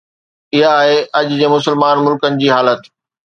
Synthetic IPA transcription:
ɪɦaːɦeʔɐʄd͡ʑeːmʊsəlmaːnmʊlkənɪ̆d͡ʑiːɦaːlət̪

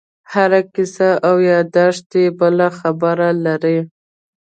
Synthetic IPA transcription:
haɾakɪsaʔawjɑd̪ɑʂt̪ebəlaxabəɾalaɾe

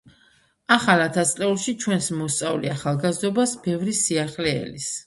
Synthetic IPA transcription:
aχalˠat̪ʰast̪sʼlɛulˠʃit͡ʃʰwɛnsmɔst̪sʼavliaχalˠɡazd̪ɔbasbɛvɾisiaχlɛ̰ːlis

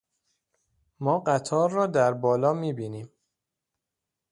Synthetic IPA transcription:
mɒːɢæt̪ʰɒːɾːɒːd̪æɾbɒːlɒːmiːbiːniːm

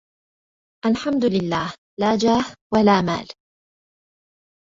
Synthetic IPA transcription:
ʔalħamd̪ʊlɪlːaːh | laːd͡ʒaːhwalaːma̰ːl

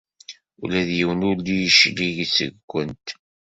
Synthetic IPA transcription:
ṵlæðjiwənʊlijʃliʝsə̰ɡʷːənt̪

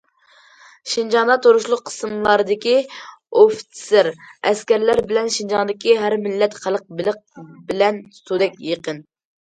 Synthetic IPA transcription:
ʃind͡ʒɑŋd̪ɑt̪ʰoɾuʃlˠʊqʰːə̥smlˠɑɾɨd̪ɪkʲioft̪ʰsɪɾɛskʲɛɾlæɾbɪlɛnʃind͡ʒɑnd̪ɪkʲiɦæɾmɪlːɛt̪χælˠəq̚bɪlɨq̚bɪlɛnt̪ud̪ɛkʲjeqən

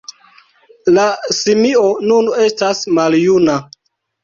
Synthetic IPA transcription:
lasimionune̞stasmaljuna

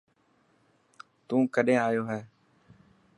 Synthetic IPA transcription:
t̪ũːkəɗẽːaːjoːɦɛː

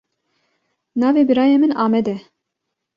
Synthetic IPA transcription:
nɑːveːbɨɾɑːjemɨnɑːmɛd̪ɛ

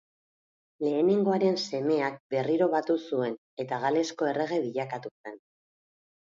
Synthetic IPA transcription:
le̞ːneŋɡo̞aɾe̞nse̞me̞ak̚be̞riɾo̞β̞at̪usue̞n | e̞t̪aɣ̞ale̞sko̞e̞re̞ɣ̞e̞βiʎakat̪use̞n

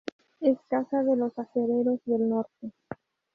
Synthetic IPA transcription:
eskasaðe̞lo̞saxeɾe̞ɾo̞zðe̞lno̞ɾt̪e̞

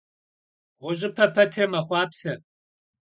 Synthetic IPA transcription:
ʁʷʊʑɪpʰɐpʰɐtʰɨmɐχʷɑːpsɐ

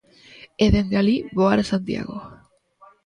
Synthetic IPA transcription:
eðeŋɡaliβoaɾasant̪ja̰ɣo

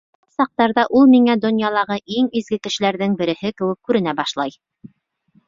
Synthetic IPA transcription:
ɑt̪sɑq̚t̪ɑɾðɑʔulˠmiŋæd̪ŏnjɑlˠɑʁɤʔiŋizɡɘkɘ̆ʃɘ̆læɾðɘŋbɘ̆ɾɘ̆hɘkɘ̆wɘ̆kːʉɾɘ̆næbɑʃlˠɑj

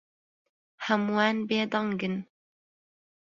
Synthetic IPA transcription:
hɐmwaːnbeːd̪ɑŋɡɨn

